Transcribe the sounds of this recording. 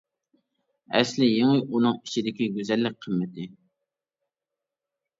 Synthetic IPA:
ɛslɪjeŋɪʔunɨŋit͡ʃʰid̪ɪkʲiɡʲøzɛlːɪk̚ʲqʰəmːɪt̪ʰɪ

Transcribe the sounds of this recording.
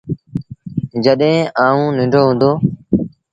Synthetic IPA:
d͡ʒəɗẽːʔaːũːnɪ̃ɳɖʱoːɦʊ̃ːnd̪oː

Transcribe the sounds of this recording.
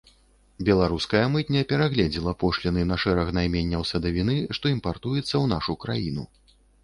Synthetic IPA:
bʲɛlˠaɾuskɐjɐmɨt̪̚ʲnʲɐpʲɛɾaɣlʲɛd͡zʲilˠɐpɔʂlʲinɨnɐʂɛɾɐxnajmʲɛnʲːɐwsɐd̪ɐvʲin̪ɨʂt̪ɔimpart̪ujɛt̪sːɐwnaʂukɾajin̪ṵ

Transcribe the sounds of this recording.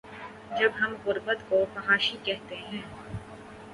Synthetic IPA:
d͡ʒɐbɦɐmʁʊɾbət̪kopɐɦaːʃikɛɦt̪eɦɛ̃ː

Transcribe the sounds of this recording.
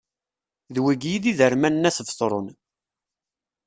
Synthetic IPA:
ðwiɡjiðiðəɾmænːæsəvsˤɾˤon

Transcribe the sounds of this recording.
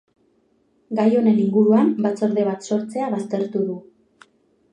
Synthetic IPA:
ɡajo̞ne̞niŋɡuɾuambat͡so̞ɾðe̞β̞at̪so̞ɾt͡se̞aβast̪e̞ɾt̪uðu

